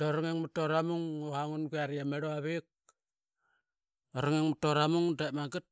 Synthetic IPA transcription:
doɾoŋeŋmutoɾamuŋoaŋunɡuaɾiameɾoaβik̚ | oɾaŋeŋmutoɾamuŋdemaɡit̚

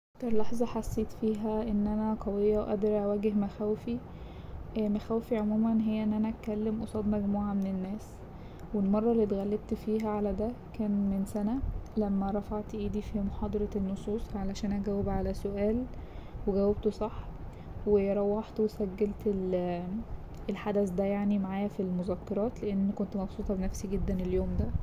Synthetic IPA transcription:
ʔʔʔt̪ɑɾˤlɑħzˤɑħasːeːt̪fiːɦæʔenːʔænæq̪ɑwejːæwʔæ̰d̪ɑɾˤʔæwæːɡehmæxæwefi | mæxæːwfiʕomuːmænɦejːæʔenːʔænæʔæt̪kːælːemʔosˤɑːd̪mæɡmuːʕamenenːæːs | welmɑrˤːɑlːiːt̪ɣælːeb̚t̪fiːɦæʕalæd̪ækæːnmensænælæmːæɾˤɑfaʕt̪ʔiːd̪ifimoħɑːd̪ˤɑɾˤɑenːosˤuːsˤʕalæʃæːnʔæɡæwːebʕalæsoʔæːlweɡæwːæb̚t̪sˤɑħ | wejɾˤɑwːɑħt̪wesæɡːælt̪el | elħad̪æsd̪æjaʕnimaʕaːjæfilmozækːɑɾˤɑːt̪leʔenːkont̪mɑbsˤuːt̪ˤɑbenæfsiɡed̪ːæneljoːmd̪æ

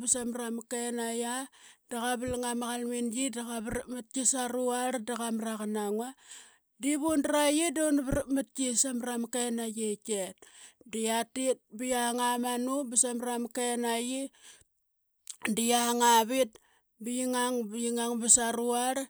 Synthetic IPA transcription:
bisamɾamkenajad̥aɣaβilŋamaɣalminjidaɣaβɾmat̚kisaɾuaɾdaɣamraɣanaŋwa | diβundaɾajidonβɾmat̚kisamramkenajeket̚dijatit̚bijaŋamanubisamɾamkenaji | dijaŋaβit̚ | bijiŋaŋbijiŋaŋbasaɾuaɾ

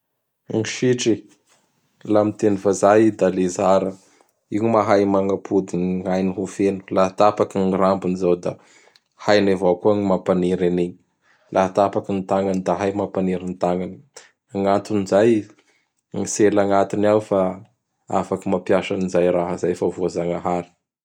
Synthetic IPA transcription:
ŋiʃiʈ͡ʂi | lamit̪enifazajd̪alezaɾə | iumaɦajmaŋapʰud̪iɲajniɦufenu̥laɦat̪apakiŋirambinizawd̪a | hajnevakuəŋimapaniɾaneɲ | lʔaɦat̪apakinit̪aŋɡanid̪aɦajmapaniɾinit̪aŋɡani | aŋant̪unizaj | ŋiselaŋat̪inawfa | a̰fakimapjaʃanizajɾaɦəzajfavoazaŋaɦaɾi̥

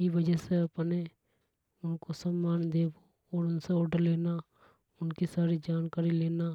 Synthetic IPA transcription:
iʋəd͡ʒɛseɐpne | ʊnkosəmːaːnd̪eːbo | ɔːɾʊnseɔːɖəɾleːna | ʊnkisaːɾid͡ʒaːnkaːɾileːna

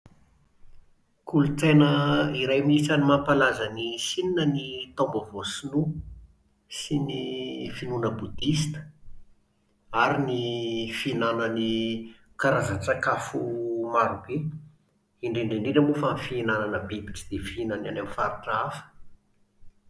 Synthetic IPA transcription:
kulut͡senəiɾajmiisanimampalazanisininənit̪ombəvosinu | sinifinunəbud̪ist̪ə̥ | aɾinifinanəni | kaɾazat͡sakafumaɾube | iɳɖ͡ʐeɳɖ͡ʐeɳɖ͡ʐiɖ͡ʐəmbufanfiinananəbebiʈ͡ʂi̥d̪̥efiinananamfaɾiʈ͡ʂaafə̥

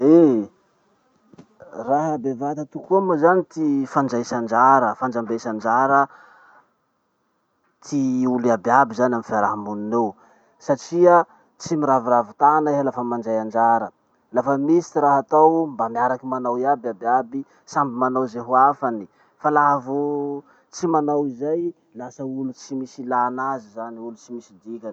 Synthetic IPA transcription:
e | raɦəbevat̪at̪ukumazanit̪ifand͡ʒajsand͡ʒaɾəfand͡ʒambejsand͡ʒaɾə | t̪ʰiuliabiabizanamifaɾaɦamuninew | saʈ͡ʂiə | t͡simiɾaviɾavit̪anaiɦalafəmand͡ʒajand͡ʒaɾə | lafəmisi̥t̪iɾaɦat̪awmbamiaɾakimanawiababiabi | sambimanawzeɦuafani | falaɦvu | t͡simanawizaj | lasəulut͡simisilanazizaniulut͡simisid̪ikʲan

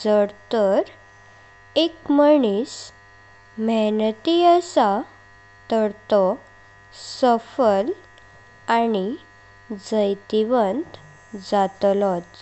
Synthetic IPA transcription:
d͡zəɽt̪əɾ | ekməɳiːs | mɛnət̪iəsa | t̪əɽt̪ɔ | səfəl | ani | d͡zəjt̪iʋənt̪ | d͡zat̪lɔt̪

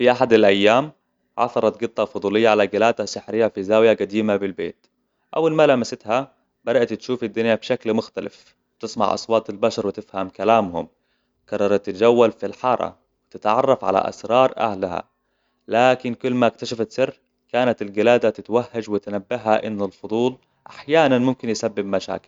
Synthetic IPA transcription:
fiʔaħad̪alʔajːaːm | ʕɑ̰θɑɾˤɑt̪ɡɨt̪ˤːɑfʊd̪ˤuːlɪjːaʕalaɡɪlaːd̪asɪħɾɪjːafizaːwjaɡad̪iːmabɪlbḛːt̪ | ʔa̰wːalmalamasɪt̪ha | bad̪aʔt̪t̪ʃuːfɪd̪ːʊnjabʃaklmʊxt̪alɪ̰f | wt̪ɨsmɑ̰ʕʔɑ̰sˤwɑːt̪ˤɪlbaʃɑɾˤwɪt̪ɪfhamkalaːmhʊ̰m | kɑrˤːɑɾˤɑt̪ːɪt̪d͡ʒawːalfilħɑːɾˤʔɑ̰ | wɪt̪ɪt̪ʕɑ̰rˤːɑfʕa̰la̰ʔa̰sɾˤɑːɾˤʔa̰hlaha̰ | laːkɪnkʊlːmaɪk̚t̪aʃafat̪sɪr | kaːnat̪ɪlɡɪlaːd̪at̪ɪt̪wahːad͡ʒwɪt̪nabːɪɦaʔɪnːʊlfʊd̪ˤuːl | ʔaħjaːnanmʊmkɪnjɪsabːɪbmaʃa̰ːkɪ̥l

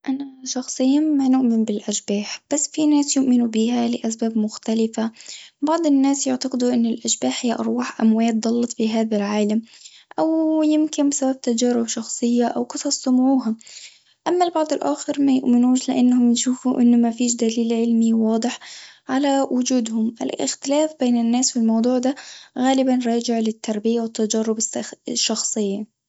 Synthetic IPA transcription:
ʔanaʃɑxsˤɨjːamanʊʔmɪnbɪlʔaʃbaːħb̥asːfinaːsjʊʔmɪnubiːhalɪʔas̬baːbmʊxt̪alɪfabɑʕd̪ˤɪnːaːsjʊʕt̪aqɪd̪uʔɪnːɪlʔaʃbaːħhɪjːaʔɑɾˤwaːħʔamwaːt̪̚d̪ˤɑlːɑt̪ˤfiɦaːðalʕaːlamʔawjɪmkɪnbɪsabab̚t̪ad͡ʒaːɾɪbʃɑxsˤɨjːaʔawqɨsˤɑsˤːʊmuːɦa | ʔamːalbɑʕd̪ˤɑlʔaxɑɾmajʊʔmɪnuːʃlɪʔanːhʊmnʃuːfuʔɪnːʊmafiːʃ̬d̪aliːlʕɪlmiwɑːd̪ˤɨħʕalawʔʊd͡ʒuːd̪hʊmʔɪ̰lʔɪ̰xt̪ɪlaːfbeːnɪnːaːsfilmɑwd̪ˤuːʕd̪aɣaːlɪbanɾˤɑːd͡ʒɪʕlɪt̪ːɑɾˤbɪjawɪt̪ːad͡ʒɑːɾˤʊbsʃːɑxsˤɨjːa

